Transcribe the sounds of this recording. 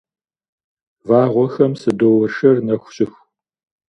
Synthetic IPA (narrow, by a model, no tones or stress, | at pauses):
vaːʁʷɔxɐmsɨdowɐrʂɐrnɐxʷɕʼɪx